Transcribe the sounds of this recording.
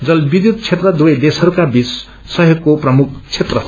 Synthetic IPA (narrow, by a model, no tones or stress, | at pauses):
d͡zʌlbid̪jud̪̚t͡sʰet̪rʌd̪uʌjd̪esɦʌɾukabis | sʌɦjoɡkːoprʌmuk̚ʰt͡sʰet̪rʌ